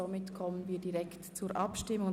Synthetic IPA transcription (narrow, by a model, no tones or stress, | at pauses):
omɪtkʰɔmənviːdiɾɛktt͡suːɾʔɑpʃtɪmʊŋ